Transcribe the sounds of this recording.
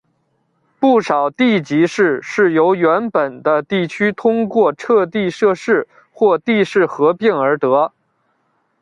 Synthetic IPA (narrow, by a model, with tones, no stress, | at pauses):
pu˥˩ʂɑ˨˩ʊt̪i˥˩t͡ɕi˧˥ʂɻ̩˥˧ʂɻ̩˥˩jo˧˥ʊɥɛ˧˥npə˨˩nd̪ə˦t̪i˥˩t͡ɕʰy˥t̪ʰʊ˥ŋkwɔ˥˧ʈ͡ʂʰɤ˥˧t̪i˥˧ʂɤ˥˧ʂɻ̩˥˩ | xwɔ˥˧t̪i˥˧ʂɻ̩˥˩xɤ˧˥pi˥˩ŋə˞˧˥t̪ɤ˧˥